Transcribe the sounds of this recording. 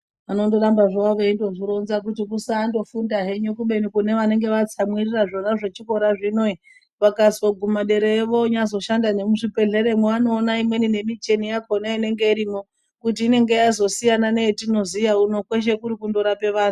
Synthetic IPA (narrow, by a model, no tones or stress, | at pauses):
ano̞ndoɾambaʐaʋeindo̞ʐiɾo̞nzak̬utikusaːndo̞fundaɦe̞ɲokuɓe̞nikune̞ʋane̞ŋɡe̞ʋat͡samwiriraʐo̞naʐe̞t͡ʃiko̞ɾaʐino̞i | ʋakazoɡʱumaɗeɾeeʋo̞ɲazo̞ʃandane̞muʐipe̞ɮe̞ɾe̞mweano̞ːnaimwe̞nine̞mit͡ʃe̞nijakʰonaine̞ŋɡe̞iɾimo̞ | kut̬iːne̞ŋɡe̞jazo̞sijanane̞tino̞zijauno̞kwe̞ʃ̬e̞kuɾikundoɾape̞ʋaːnu